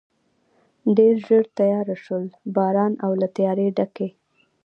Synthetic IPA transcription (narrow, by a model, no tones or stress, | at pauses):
ɖeɾʒəɾt̪ajɑɾaʃəlbɑɾɑnawlat̪ajɑɾeɖake